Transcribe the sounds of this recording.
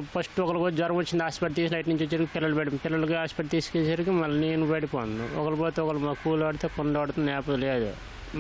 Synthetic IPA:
pɐsʈɔkɐlɐkod͡ʒɐɾɐmʋot͡ʃːind̪aːspɐʈ̚t̪iːsilɐjʈniɲt͡ʃet͡ʃːaːɾkipɪlːɐlubeɽɐpɪlːɐlukoaːspɐːʈ̚t̪iːsu̥keːsaːɾkimɐlːɐneːnubɐɽipoːnnd̪uɔkɐlɐpoːt̪eɔkɐlumɐkuːlɐɐɽut̪eːkɔɳɖɐɐɽt̪und̪ɛːpɐd̪ɐleːd̪ḛ

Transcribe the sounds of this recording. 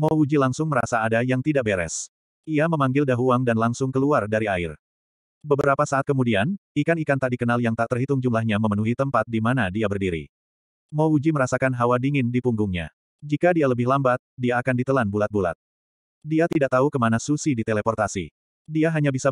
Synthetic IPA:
mɔud͡ʒilaŋsʊŋməɾasaːdajaŋt̪idaʔbeɾɛ̰s | iaməmaŋɡɪldaɦuaŋdanlaŋsʊŋkəluardaɾiaɪr | bəbəɾapasaːt̪̚kəmudianikanikant̪aʔdikənaljaŋt̪aʔt̪ərhit̪ʊŋd͡ʒumlahɲaməmənuɦit̪əmpat̪̚dimanadiabərdiɾḭ | mɔud͡ʒiməɾasakanɦawadiŋɪndipuŋɡʊŋɲa̰ | d͡ʒikadialəbɪhlambat̪̚diaːkandit̪əlanbulat̪̚bula̰t̪̚ | diat̪idaʔt̪aukəmanasusidit̪elepɔrt̪asḭ | diaɦaɲabisa

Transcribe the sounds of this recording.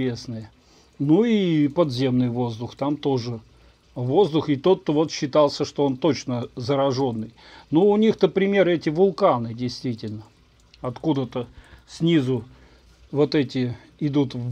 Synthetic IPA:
esnɨjə | nuipɐd̪zʲe̞mnɨjvo̞zd̪ʊxt̪amt̪o̞ʐɨ | vo̞zd̪ʊxɪt̪o̞t̪ːovo̞t̪ɕːɪt̪alˠsʲəʂt̪oo̞nt̪o̞t͡ɕnəzəɾɐʐo̞nːɨj | nuʊnʲixt̪əpɾʲɪmʲe̞ɾɨɛtʲɪvʊlˠkanɨdʲɪjst̪vʲitʲɪlʲnə | ɐt̪kud̪ət̪əsʲnʲizʊ | vo̞t̪ɛtʲɪ | ɪd̪ut̪v

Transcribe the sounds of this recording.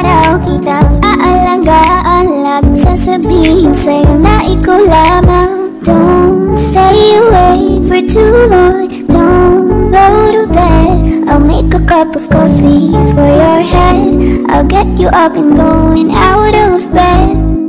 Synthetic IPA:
ɾɔkitakaʔalaɡaʔalak̚sɛsəbĩŋsenaʔikəlama | d̥õʊ̃nseɪəweɪfə˞tʰuwə | d̥õʊ̃nɡ̥oʊɾəbɛdʔaɪlˠmeɪkəkʰʌpʌv̥kʰɔfifə˞jə˞hɛdʔa̰ɪlˠɡɛt͡ʃɨʔʌpɨ̃nɡoʊɪ̃ŋaʊɾʌvbɛd̥̚

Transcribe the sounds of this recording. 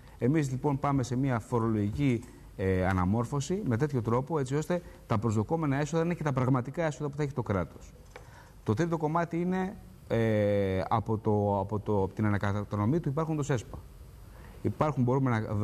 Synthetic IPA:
e̞mizlipo̞npɐme̞se̞miɐfo̞ɾo̞lo̞ʝici | eɐnɐmo̞ɾfo̞sime̞t̪e̞t̪ço̞t̪ɾo̞po̞e̞t͡sio̞st̪e̞t̪ɐpɾo̞zðo̞ko̞me̞nɐe̞so̞ðɐinecet̪ɐpɾɐɣmɐt̪ikɐe̞soðɐpuθɐei̥t̪o̞kɾɐt̪o̞̥s | t̪o̞t̪ɾit̪oko̞mɐt̪iine̞ | ɐ̰po̞t̪opot̪ot̪inɐnɐkɐt̪ono̞mit̪uipɐɾxund̪ose̞spɐ | ipɐɾxumbo̞ɾume̞nɐ

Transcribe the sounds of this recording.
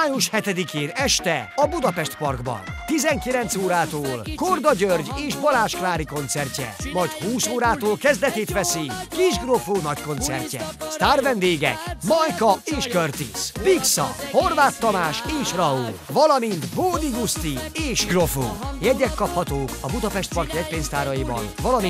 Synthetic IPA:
aːjuʃhɛt̪ɛd̪ikeːnɛʃt̪ɛɒbud̪ɒpɛʃt̪pɒrɡbɒ̰nt̪izɛŋkilɛnt̪soːɾaːt̪oːlko̞rd̪ɒɟørɟeːʃbɒlaːʃklaːɾiko̞nt̪sɛrcɛ̰mɒjchuːsoːɾaːt̪oːlkɛzd̪ɛt̪eːt̪ʋɛsikiʒɡrofoːnɒcko̞nt̪sɛ̰rcːɛ̰st̪aːrvɛnd̪eːɡɛ̰kmɒjkɒeːʃkørt̪ḭspiksɒ̰ho̞rʋaːt̪ːɒmaːʃeːʃrɒulvɒlɒmint̪boːd̪iɡust̪ieːʃɡro̞fo̰ːjɛɟɛkːɒphɒt̪oːkɒbud̪ɒpɛʃt̪pɒrkjɛc̚peːnst̪aːɾɒjibɒ̰nvɒlɒmi

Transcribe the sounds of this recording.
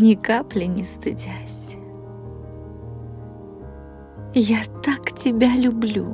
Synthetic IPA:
nʲɪkaplʲɪnʲɪst̪ɨdʲasʲ | jat̪aktʲɪbʲalʲʊblʲṵ

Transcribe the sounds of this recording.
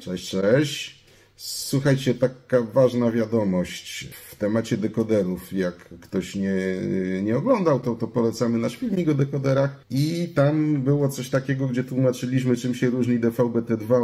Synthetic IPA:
t͡ʂɛɕt͡ʂɛɕt͡ɕ | swuxajt͡ɕɛt̪akavaʐnavʲjad̪ɔmɔɕt͡ɕft̪ɛmat͡ɕɛd̪ɛkɔd̪ɛɾufjakːt̪ɔɕɲɛɲɛɔɡlɔnd̪awt̪ɔt̪ɔpɔlɛt̪samɘnaɕpʲivɲikɔd̪ɛkɔd̪ɛɾaxit̪ambɘwɔt̪sɔɕt̪akʲɛɡɔɡd͡ʑɛt̪wumat͡ʂɘlʲiɕmɘt͡ʂɘmɕɛɾuʐɲid̪ɛfawbɛt̪ɛd̪va

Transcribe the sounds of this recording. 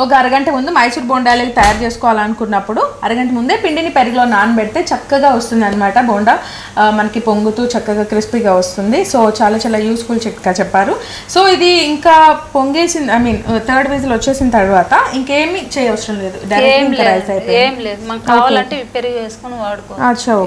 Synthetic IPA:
oɡɐɾɐɡɐɳʈɐmund̪umɐjsuːɾboːɳɖaːlekit̪ɐjaːɾt͡ʃe̞ːsu̥kɔːʋaːlaːnukunːɐpːuɽuɐɾɐɡɐɳʈɐmund̪e̞ːpiɳɖinipeɾiɡlo̞ːnaːnpeɽit̪e̞ːt͡ʃɐkːɐɡaːʋɐst̪und̪ɐnːɐmaːʈɐboːɳɖɐ | mɐnɐkipoŋɡut̪uːt͡ʃɐkːɐɡaːkɾispiɡaːʋɐst̪und̪iso̞ːt͡ʃaːlaːt͡ʃaːlːaːjuːskuːlt͡ʃeʈːɡaːt͡ʃɛpːaːɾu | so̞ːid̪iːŋkaːpoŋɡeːsind̪ɐjmiːnt̪ʰəːɾɖʋiːs̬ɐlʋɐt͡ʃːe̞ːsind̪t̪ɐɾuʋaːt̪ɐiŋke̞ːmit͡ʃɛːjɐʋɐsɾɐmle̞ːd̪uɖɐjɾekːʈɐnɐɾaːsɐjpojeːmleːd̪mɐkaʋɐlɐɳʈepeɾiɡʋeːsu̥konuaːɽukoat͡ʃɐw

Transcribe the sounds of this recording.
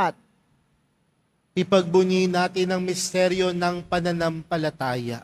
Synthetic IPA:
t̪̚ | ʔɪpɐɡ̚bʊninaːt̪ɪnɐŋmɪst̪ɛɾjo̞nɐŋpɐnɐnɐmpɐlɐt̪aːjɐ̰ʔ

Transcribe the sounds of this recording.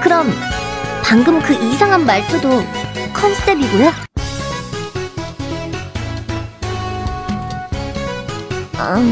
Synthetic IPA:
kɯɾʌmpaŋɡɯmkɯʔisʰaŋɦanmaɭtʰudokʰʌnsʰɯ̥t͈ebiɡoja | a

